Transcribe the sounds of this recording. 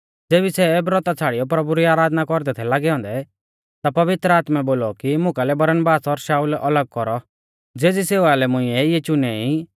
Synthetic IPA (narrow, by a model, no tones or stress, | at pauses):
d͡zeːbisɛbɾɔt̪at͡sʰaːɽijɔp̬ɾɐbuɾiaːɾaːd̪nakɔɾd̪ɛt̪ʰɛlaːɡɛɦɔ̃ːnd̪ɛ | t̪apɐʋɪt̪ɾəaːt̪mɛboːlɔkimʊ̃kalɛbɐɾənbaːsɔɾʃaːulʔɐləɡ̚kɔɾɔ | d͡zeːd͡ziseːʋalɛmʊ̃ɪ̃ɛɪɛt͡ʃʊnɛi